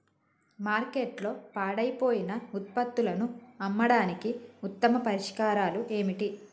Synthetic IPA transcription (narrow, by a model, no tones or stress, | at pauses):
maːɾke̞ːʈlo̞ːpaːɽɐjpo̞ːjinɐut̪̚pɐt̪ːulɐnuɐmːɐɽaːnikiut̪ːɐmɐpɐɾiʂkaːɾaːluʔe̞ːmiʈi